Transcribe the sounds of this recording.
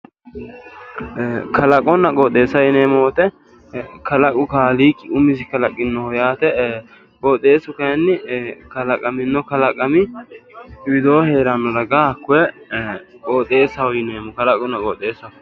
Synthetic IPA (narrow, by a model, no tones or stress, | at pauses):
kɐlɐkʼɔnɐkʼɔːt̪ʼe̞ːsɐɪneːmɔwɔt̪ɛ | kɐlɐkʼʊkaːliːkʼːɪʊmɪs̬ɪkɐlɐkʼːɪnːɔhɔjaːt̪ɛ | kɔːt̪ʼe̞ːsʊkɐjɐnːɪkɐlɐkʼɐmɪnːɔkɐlɐkʼːɐmɪ | wɪd̪oːhe̞ːɾɐnːɔdɐɡaːkːʊɛ | kʼɔːt̪ʼe̞ːsɐwʊjɪneːmɔkɐlɐkʼʊnːɐkʼɔt̪ʼːe̞ːsɐ